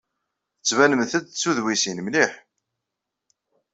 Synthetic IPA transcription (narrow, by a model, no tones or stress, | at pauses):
θət͡sːvænəmθæd̪t͡sːuðwisinmliħ